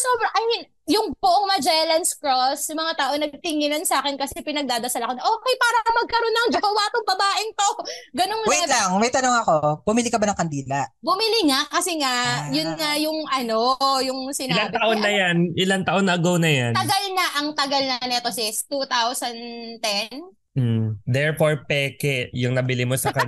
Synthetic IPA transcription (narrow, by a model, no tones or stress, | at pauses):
sobɾɐʔɐj̪ | jʊŋbʊʔoŋmɐd͡ʒɛlɐnskɹosjʊmɐŋat̪aːʔonɐɡ̚t̪ɪŋɪnɐnsaːkɛnkɐsɛpɪnɐɡ̚d̪aːd̪ɐsɐlɐkonɐʔoːkɛjpaːɾɐmɐɡ̚kɐɾo̞nːɐŋd͡ʒɐbɐwaːt̪oŋbɐbaːʔɪŋt̪oʔkɡɐnoŋwɛlaŋmɐjt̪ɐnoŋɐko̞b̥ʊmɪlikɐbanɐŋkɐnd̪iːlɐʔbʊmɪlɪŋaʔkɐsɛŋaʔjʊnŋajʊŋɐno̞jʊŋsɪnɪalaŋt̪ɐʔonːɐjanʔɪlaŋt̪ɐʔonɐʔɐɡownɐjant̪ɐɡɐlnɐʔɐŋt̪ɐɡɐlnɐnɛt̪osɪst̪ut̪awsɐnt̪ɛn̩ | d̪ɛɹpoɹpɛːkɛjʊŋnɐbɪlimosɐkɐ